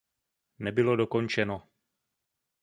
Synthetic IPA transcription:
nɛbɪlo̞doko̞nt͡ʃɛno

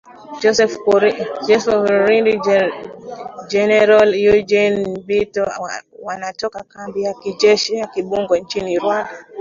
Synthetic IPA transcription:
d͡ʒɔsɛfd͡ʒɛsvɾindi | d͡ʒɛnɛɾaljud͡ʒɛnbitɔwanatɔkakambijakid͡ʒɛʃijakiɓuŋɡwɔnt͡ʃiniɾwanda

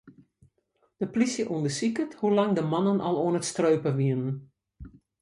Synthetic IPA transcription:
d̥əplisjəʔuəndəsikəthulaŋdəmɑnənʔɑ̰lˠoənətstrøːpəʋiənən

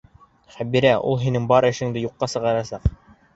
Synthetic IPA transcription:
χæbiɾæʔṵlˠɦinɘŋbɑɾɘ̆ʃɘ̆ŋd̪ɘjuqːɑsɤ̆ʁɑɾɑsɑq

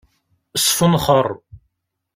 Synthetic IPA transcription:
sˤfənχərˤː

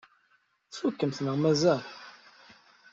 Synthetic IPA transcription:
θfukːəmθnəʁmæzæl

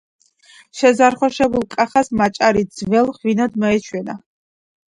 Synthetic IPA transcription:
ʃɛzaɾχwɔʃɛbulˠkʼaχasmat͡ʃʼaɾid̪zvɛlˠχwinad̪mɔɛt͡ʃʰwɛna

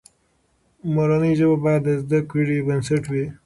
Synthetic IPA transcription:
moɾaniʒəbabɑjad̪əzd̪akwiɽibənsaʈwi

